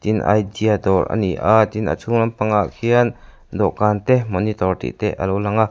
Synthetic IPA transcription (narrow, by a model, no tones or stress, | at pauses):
t̪inʔa̰jdiad̪ɔɾʔə̰niʔat̪inə̰t͡sʰuŋlɐmpaŋaʔkʰiən | d̪ɔʔkant̪ɛmɔnit̪ɔrt̪ḭʔt̪ɛʔə̰lowlɐŋa